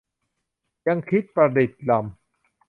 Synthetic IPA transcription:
ja˧ŋkʰi˦˥t̪̚pɾa˧di˨˩t̪̚la˧m

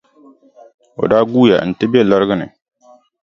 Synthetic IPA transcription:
o̰˨da˦ɡuː˦ja̰˨n̩˨tɪ˦be˦˨la˦ɾɡɪ˦nɪ̰˨

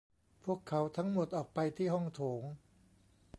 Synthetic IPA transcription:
pʰu˥˩əkʰːa˩˦˥wt̪ʰa˦˥ŋmo˨˩t̪̚ʔɔː˨˩k̚pa˧jt̪ʰiː˥˩ɦɔ˥˩ŋt̪ʰoː˩˦ŋ

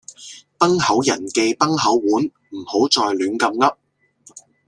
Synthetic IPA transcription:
pɐ˥ŋhɐ˨˥wjɐ˨˩nke˧jpɐ˥ŋhɐ˨˥wːuː˨˥n | m̩˨˩ho˨˥wt͡ʃɔː˧jlyː˨˥nkɐ˧mŋɐ˥p̚

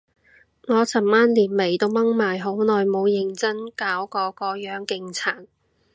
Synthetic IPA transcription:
ŋɔː˨˧t͡sʰɐ˨˩mmaː˥nliː˨˩nme˨˩jt̪o˥wmɐ˥ŋmaː˨˩jɦo˨˥wnɔː˨jmo˨˧wjɪ˨˩ŋt͡sɐ˥ŋkaː˨˥wkɔː˨˧kɔː˨˧jœː˨˥ŋkɪ˧ŋt͡sʰaː˨˩t̚

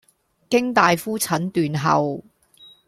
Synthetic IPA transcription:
kɪ˥ŋt̪aː˨jfuː˥t͡sʰɐ˨˥nt̪yː˨nɦɐ̰˨w

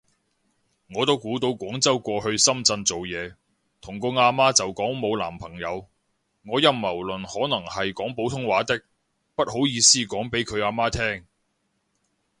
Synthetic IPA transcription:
ŋɔː˨˧t̪o˥wkuː˨˥t̪o˧wkʷɔː˨˥ŋt͡sɐ˥wkʷɔː˧hɵ˧ɥsɐ˥mt͡sɐ˧nt͡so˨wjɛː˨˧ | t̪ʰʊ˨˩ŋkʊ˧ŋaː˧maː˥t͡sɐ˨wkɔː˨˥ŋmo˨˧wla̰ː˨˩mpʰɐ˨˩ŋjɐ˨˧w | ŋɔː˨˧jɐ˧mːɐ˨˩wlɵ˨nhɔː˨˥nɐ˨˩ŋhɐ˨jkɔː˨˥ŋpo˨˥wt̪ʰʊ˥ŋwaː˨˥t̪ɪ˥k̚ | pɐ˥t̚ho˨˥wjiː˨˧siː˥kɔː˨˥ŋpe˨˥jkʰɵ˨˧ɥaː˧maː˥t̪ʰɛː˥ŋ

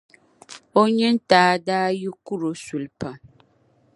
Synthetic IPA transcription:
o˦ɲɛ˦n̩˦taː˨˦daː˦ji˦ku˦ɾo˨su˨lpa˨

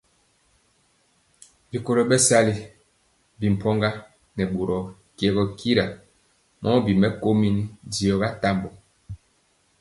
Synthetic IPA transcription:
bi˨ko˨ɾɔ˨bɛ˦sa˦li˨ | bi˨m̩˨pʰɔ˦ŋɡa˦ | nɛ˨ɓo˨ɾɔ˨ | kjɛ˨ɣɔ˨kʰi˦ɾa˨ | mʔɔ˦bi˨mɛ˦ko˦mi˦n˦di˨ɔ˨ɣa˦ta˦mbɔ˨

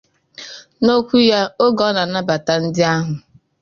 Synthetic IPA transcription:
no˦kʷu˦ja˦o˦ɡɔ˨˦na˨na˦ba˨ta˨n̩˦dɪ˦a˦ɦʊ˨

